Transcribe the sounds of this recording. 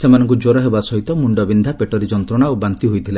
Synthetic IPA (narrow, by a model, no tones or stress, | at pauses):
semanɔŋkud͡ʒoɾɔɦebasɔɦit̪ɔmuɳɖɔbind̪ʱapeʈɔɾid͡ʒɔnt̪ɾɔɽ̃aobant̪iɦojt̪ʰila